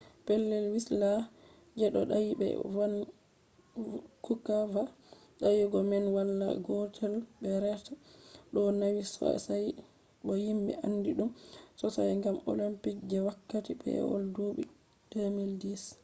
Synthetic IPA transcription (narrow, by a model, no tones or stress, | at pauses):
pɛlːɛlwisla | d͡ʒɛɗɔɗawibɛ̰wan | kukava | ɗajiɡɔmɛnwalːa̰ɡɔtʰɛlbɛɾɛtaɗɔnawisɔ̰saj | ɗɔjimbɛ̰ʔanːdiɗumsɔsajŋɡamo̰limpik̚d͡ʒɛwakːatibɛ̰wɔ̰ldubḭ | d̥emildis